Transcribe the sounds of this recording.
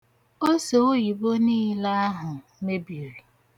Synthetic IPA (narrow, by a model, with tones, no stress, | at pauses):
o˦so˨o˦ji˨bo˦niː˦la˦a˦ɦʊ˨ | me˦bi˨ɾi˨